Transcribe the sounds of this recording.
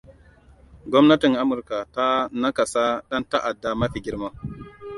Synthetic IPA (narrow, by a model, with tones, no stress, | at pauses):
ɡɔ˦mna˦ti˨ŋʔa˦mʊ˨ɾka˨ta˦na˦ka˨sa˦ɗa˦nta˦ʔa˨dːa˨ma˦ɸi˨ɡʲi˦ɾma˦